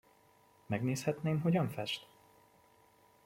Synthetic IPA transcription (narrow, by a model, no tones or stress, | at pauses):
mɛɡneːshɛt̪neːmɦo̞ɟɒɱfɛʃt̪